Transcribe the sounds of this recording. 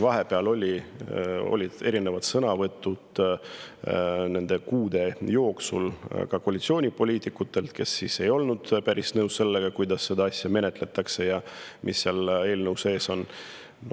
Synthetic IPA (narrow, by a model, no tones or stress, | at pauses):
vɑɦe̞peɑlo̞lʲi | o̞̰lʲid̪̥e̞ɾine̞vɑd̪̥sɤnɑvɤt̪ːˑud̪̥ | ne̞nd̪̥e̞kuːd̪̥e̞jo̞ːksṵlkɑko̞ɑlʲit̪sio̞ːnʲipo̞lʲiːt̪ˑikːut̪ːe̞lt̪ke̞sːise̞jo̞lnud̪̥pæɾisnɤusse̞lːeɡ̥ɑkujd̪̥ɑsːe̞d̪ɑɑsʲjɑme̞ne̞t̪ˑle̞t̪ːˑɑkse̞jɑmʔisːiɑle̞ːlnɤwse̞ːso̞n | n